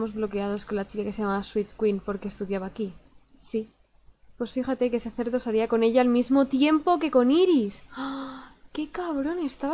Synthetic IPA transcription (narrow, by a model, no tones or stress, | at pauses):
mo̞zβlo̞ke̞að̞o̞sko̞nlat͡ʃikake̞sejamaβaswit̪kwinpo̞ɾke̞st̪uðjaβaːki | si | pwosfixat̪e̞keseaθe̞ɾðo̞saɾiako̞ne̞ʎaːlmizmo̞t̪je̞mpo̞ke̞ko̞niɾis | ke̞kaβɾo̞ne̞st̪aβ